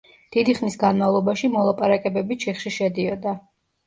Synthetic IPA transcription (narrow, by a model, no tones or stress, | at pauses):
d̪̥id̪iχnisɡanmavlˠɔbaʃimɔlˠapʼaɾakʼɛbɛbit͡ʃʰɛχʃiʃɛd̪iɔd̪a